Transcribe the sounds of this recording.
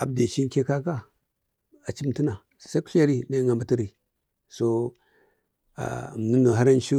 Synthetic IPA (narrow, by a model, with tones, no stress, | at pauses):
a˨b̚de˨t͡ʃi˦ŋ˦ke˦ka˦ka˦ | a˨t͡ʃi˦mti˦na˨ | sa˦ku̥˦a˦ɾi˦na˦˨ŋa˨mba˨˦ti˦ɾi˨ | so˦ | a̰˨m˨nu˦no˨ɦa˦ɾa˦nʃu˦